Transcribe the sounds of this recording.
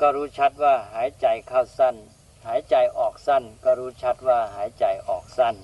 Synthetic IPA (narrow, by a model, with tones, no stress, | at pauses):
kɔː˧˩ɾuː˦˥t͡ɕʰa˦˥t̪̚waː˧˩haː˨˩˦jt͡ɕa˨˩jkʰa˧˩wsa˧˩n | haː˨˩˦jt͡ɕa˨˩jʔɔː˨˩k̚sa˧˥˩nkɔː˧˩ɾuː˦˥t͡ɕʰa˦˥t̪̚waː˧˥˩ɦaː˩˦jt͡ɕa˨˩jʔɔː˨˩k̚sa˧˥˩n